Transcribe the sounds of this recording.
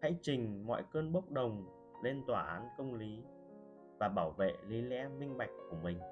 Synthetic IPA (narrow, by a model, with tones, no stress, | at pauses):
ha̰ː˧˥jt͡ɕï˨˩ŋ̟mɔ̰˧˨jkəː˧nɓə˦˥k͡p̚ɗə˨˩wŋ͡m | le˧nt̪waː˨˩ʔaː˨˦nkə˧wŋ͡mli˨˦ | vaː˨˩ɓaː˧˩wvḛ˧˨li˨˦lɛ̰˧˥mï˧ŋ̟ɓa˨˩jk̟̚ku˧˩əmï˨˩ŋ̟